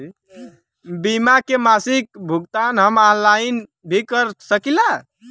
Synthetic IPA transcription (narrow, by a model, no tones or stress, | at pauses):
bimakemasik̚bʱuɡt̪anɦəmalaɪn | bʱikəɾsəkila